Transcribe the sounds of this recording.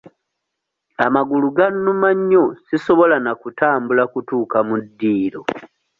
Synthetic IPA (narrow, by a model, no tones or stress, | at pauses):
amaɡuluɡanːumaɲːosiso̞βo̞lanakutaːmbulakutuːkamudːiːlo